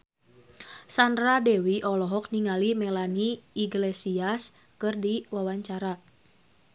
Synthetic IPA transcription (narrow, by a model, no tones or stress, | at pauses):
sandɾadɛwiʔɔlɔɦɔk̚niŋalimɛlaniiɡlesias | kɨrdiwawaɲt͡ʃaɾa